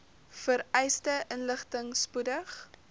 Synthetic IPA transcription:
fəɾɛjstəʔənləχtəŋspudəχ

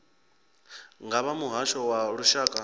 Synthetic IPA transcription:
ŋɡaβamuɦaʃɔwaɺuʃaːkʼa

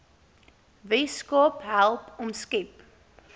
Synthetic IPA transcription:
vɛskɔpɦælˠpɔmskɛp

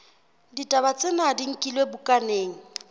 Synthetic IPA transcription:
ditʼabat͡sʼenadiŋ̩kʼilwebʊkʼaneːŋ̩

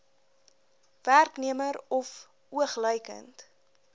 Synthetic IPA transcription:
værkniəməɾɔf | uəχləjkə̰nt

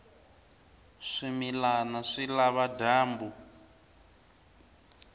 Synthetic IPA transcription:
ʂimilanaʂilaβadaːmbu

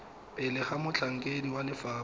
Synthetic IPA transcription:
pɪlɪχamʊt͡ɬʰaŋ̩kʼediwalɪfaː

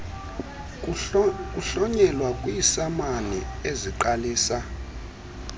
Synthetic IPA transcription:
kuɬɔɲɛlwakʼwiːsamanieziǃaliːsa

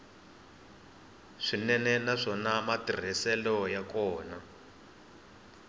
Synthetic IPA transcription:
ʂinɛnɛnaʂɔnamatir̤ɛsɛlɔjakɔːna

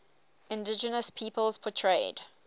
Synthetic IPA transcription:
ɪ̃ndɪd͡ʒənəspʰiːˑpəlˠz̥pʰɔtʰɹ̥eɪd̥

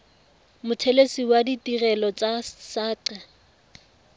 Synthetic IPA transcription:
mʊtʰɛlesiwaditʼirɛlɔt͡sʼasaːǀɛ

